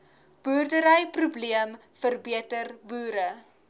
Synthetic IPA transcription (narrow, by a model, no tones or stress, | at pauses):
b̥uːrdəɾəjprubliəmfərbiətərbuːɾə